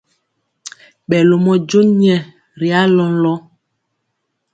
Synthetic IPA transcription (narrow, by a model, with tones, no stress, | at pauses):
ɓɛ˨lo˨mɔ˦d͡ʒo˦ɲɛ˨ | ɾi˨a˦lɔ˦n˦lɔ˦